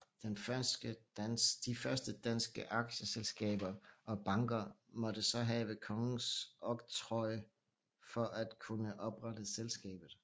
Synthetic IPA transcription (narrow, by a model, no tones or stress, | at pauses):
d̥enfɶsɡ̥əd̥ifɶɐsd̥əd̥æn̰sɡ̥əʔɑ̈ɡ̥ɕəselsɡ̥ɛ̰ːb̥ɐʔɒ̽b̥ɑ̈ŋɡ̥ɐmɒ̽d̥əsɒ̽ɦɛːʋəkʰɒ̽ŋn̩sʔɒ̽ɡ̥t͡sʰʁɒ̽ɪ | fɒ̽ʔæd̥kʰunəʔɒ̽b̥ʁɑd̥əselsɡ̥ɛ̰ːb̥ð̩ˠ